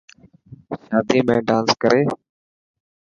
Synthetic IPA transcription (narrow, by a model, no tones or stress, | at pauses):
ʃaːd̪ʱiːmẽːɖãːnskəɾeː